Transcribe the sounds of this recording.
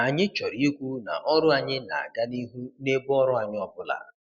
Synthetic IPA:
a˨ɲɪ˦t͡ʃɔ˨ɾi˦i˦kʷu˦na̰˨ʔɔ˦ɾʊ˦a˨ɲɪ˦na̰˨a̰˨ɡa˦ni˦ɦu˦ne˦bʊ˦ɔ˦ɾʊ˦a˨ɲɪ˦ɔ˨bʊ˦la̰˨

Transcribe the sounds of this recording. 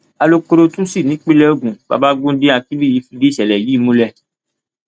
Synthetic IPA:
a˧lo˧ko˧ɾo˧tũ˦si˦˨nĩ˨˦k͡pĩ˦lɛ˦o˦˨ɡũ˨ba̰˧˨ba˦ɡũ˦de˦a˧ki˦bi˦˨i˨˧˦fi˧de˦˨ʃɛ˨lɛ˨ji˨˦˨mũ˦lɛ˦˨

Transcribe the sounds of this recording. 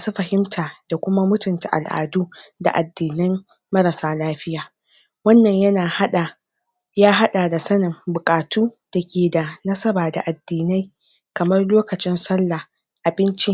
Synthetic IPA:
maː˨su˦ɸɐ˨hɪ˦mtʰaː˨d̥a˨kʷʊ˦ma˦mʊ˦tʊ˨nta˨ʔa̰˨lʔa̰ː˨duː˦da̰˨ʔa˨dːiː˨nɪ˦mː | ɐ˦ɾɐ˨saː˦laː˦ɸɪ˦jaː˨ | wɐ˦nːɐ˨ɲjɐ˦naː˨hɗa˨ | jaː˦ɦa˦ɗaː˨da˨sɐ˦nɪ˨ŋbʊ˨kʼaː˨tʰuː˦d̥a˨kʲeː˨da˨nɐ˦sɐ˦baː˨da̰˨ʔa˨dːiː˨na˦j | kɐ˨mɐ˦rloː˦kɐ˨t͡ʃɪ˦nsɐ˦lːa˨ | ʔa˨bɪ˦nt͡ʃi˦

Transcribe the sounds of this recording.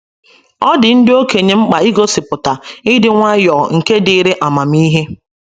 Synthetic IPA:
ɔ˦dɪ˨n̩˦dɪ˦o˦ke˨ɲe˨ŋ͡m̩˦k͡pa˨i˦ɡo˦sɪ˨pʊ˨ta˨ɪ˦dɪ˦ŋʷa˦jɔː˨ŋ̩˨ke˦dɪ˨˦ɾe˦ʔa˨ma˨m̩i˦ɦe˦

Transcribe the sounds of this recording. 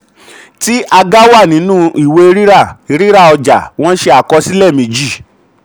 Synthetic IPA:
ti˦ʔa˧ɡa˦wa˦˨nĩ˨˦nũ˦i˦˨we˧e˧ɾi˦ɾa˦˨e˧ɾi˦ɾa˦˨ɔ˧d͡ʒa̰˨w̃ɔ̃˦ʃe˧a˨kɔ˧˦si˦lɛ˦˨mĩ˨˦d͡ʒi˦˨

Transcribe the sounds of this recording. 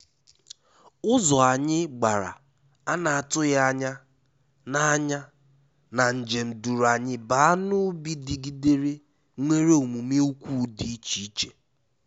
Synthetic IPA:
ʊ˦zɔ˨a˨ɲɪ˦ɡ͡ba˨ɾa̰˨ | a˦na˨a˨tʊ˦ɣa˦a˦ɲa˦ | na˨a˦ɲa˦ | na˨n̩˨d͡ʒe˨m̩˨du˨ɾa˨ɲɪ˦ba˨a˦nʊ˦bi˦di˨ɡi˦de˦ɾi˦ | ŋʷe˦ɾe˦o˨mu˨me˦u˦kʷu˦di˦i˦t͡ʃi˦i˦t͡ʃe˨

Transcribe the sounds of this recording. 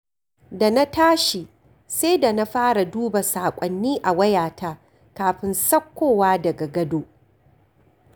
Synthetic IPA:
da˨na˦taː˦ʃi˨ | se˦da˨na˦ɸaː˦ɽa˨duː˦ba˨saː˨kʷʼɔ˨nːiː˦ʔa˨wɐ˦jaː˨taː˦ | kaː˨ɸɪ˦nsɐ˦kʷːoː˨waː˦dɐ˨ɡa˨ɡɐ˦doː˦

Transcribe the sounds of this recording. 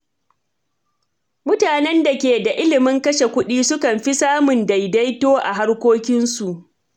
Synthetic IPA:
mʊ˦taː˨nɛ˦nda˨kʲeː˨da˨ʔɪ˦lɪ˨mɪ˦ŋkɐ˦ʃe˨kʷʊ˦ɗiː˦sʊ˦kɐ˨mɸi˦saː˦mʊ˨nda˨jda˦jtoː˦ʔa̰˨ɦa˦rkʷoː˦kʲɪ˦nsu˨ʔ

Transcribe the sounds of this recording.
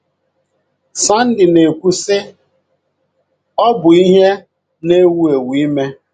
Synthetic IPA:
sa˦n̩˦dɪ˨ne˨kʷu˦sɪ˦ | ɔ˦bʊ˨i˦ɦe˦ | ne˦wu˦e˨wi˦me˦

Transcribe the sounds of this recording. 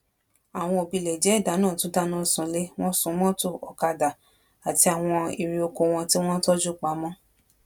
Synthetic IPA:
a˨w̃ɔ̃˧o˨bi˨˧lɛ˨d͡ʒɛ˨˦i˦˨da˨˦nãː˦˨tũ˨˦da˦nã˦˨sũ˨le˦w̃ɔ̃˦sũ˨˦mɔ̃˦to˦˨ɔ˨ka˧da˨ | a˨ti˧a˨w̃ɔ̃˧i˨ɾi˧o˧ko˧w̃ɔ̃˧ti˦w̃ɔ̃˦tɔ˦d͡ʒu˦˨k͡pa˨˦mɔ̃˦

